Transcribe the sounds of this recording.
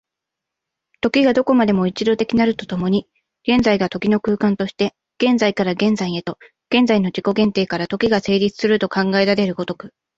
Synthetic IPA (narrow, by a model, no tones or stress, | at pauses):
t̪o̞kʲiɡad̪o̞ko̞mad̪e̞mo̞it͡ɕid̪o̞t̪e̞kʲinaɾɯ̟t̪o̞t̪o̞mo̞ɲ̟i | ɡ̥ẽ̞nd͡zaiɡat̪o̞kʲino̞kɯ̟ːkãnt̪o̞ɕi̥t̪e̞ | ɡ̥ẽ̞nzaikaɾaɡẽ̞nd͡zaiet̪o̞ | ɡ̥ẽ̞nd͡zaino̞d͡ʑiko̞ɡẽ̞nt̪e̞ːkaɾat̪o̞kʲiɡase̞ːɾʲit͡sɨ̥sɨɾɯ̟t̪o̞kãŋɡaed̪aɾe̞ɾɯ̟ɡo̞t̪o̞kɯ̟